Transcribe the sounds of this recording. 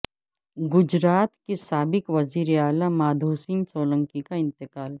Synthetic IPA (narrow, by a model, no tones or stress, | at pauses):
ɡʊd͡ʒɾaːt̪kesaːbɪkʋɐziːɾeaːlamaːd̪ʱuːsĩːnsoːlə̃ŋkikaɪ̃nt̪ɪkaːl